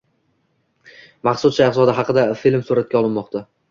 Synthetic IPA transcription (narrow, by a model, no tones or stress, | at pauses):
mɑχsʊsʃasɒd̪ɪɦɑqɨd̪afilmsuɾat̪̚kʲaɒlˠɪnmɒqt̪ʰa